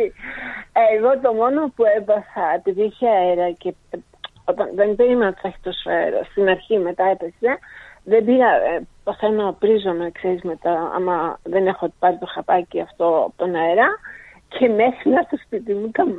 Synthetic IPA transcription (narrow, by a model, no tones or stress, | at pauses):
eɣo̞t̪o̞mo̞no̞pue̞bɐsɐt̪iðiçeɐeɾɐce̞ | o̞t̪ɐnðenbe̞ɾimnot̪t̪ɐçi̥t̪oseɾo̰st̪inɐɾçime̞t̪ɐe̞pe̞se̞ðebiɾɐpoθe̞nopɾizonekse̞ɾizmet̪ɐɐ̰mɐðe̞ne̞xopɐɾit̪o̞xɐpɐciɐft̪o̞ɐ̰pot̪onɐeɾɐ | cʰe̞me̞xɾinɐt̪ospit̪imut̪ɐm